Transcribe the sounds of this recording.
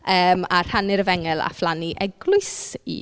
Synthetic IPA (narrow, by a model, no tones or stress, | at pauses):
əːmar̥hanɪɾəvɛŋɛlˠa̰flˠaniʔɛɡlʊɨsḭ